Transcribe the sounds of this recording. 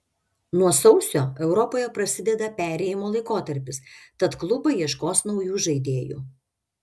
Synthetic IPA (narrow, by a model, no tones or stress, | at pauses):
nuɔsɒʊsʲoːɛʊɾɔpoːjɛpɾɐsʲɪd̪ʲɛd̪ɐpʲæːɾʲɛːjɪmoːlˠɐɪkoːt̪ɐɾʲpʲɪst̪ɐt̪klˠʊbɐjiɛʃkoːsnɒʊjuːʒɐɪd̪ʲeːjṵː